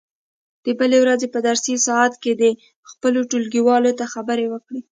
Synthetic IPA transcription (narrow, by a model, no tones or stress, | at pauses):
d̪̥əbəlewɾazepəd̪aɾsisɑat̪ked̪ə | xpəloʈulɡiwɑlot̪axabəɾewəkɽi